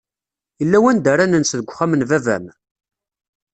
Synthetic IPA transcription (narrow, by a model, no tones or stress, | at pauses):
jəlːæwænd̪əɾanənsðəɡʷχæmənvævæ̰m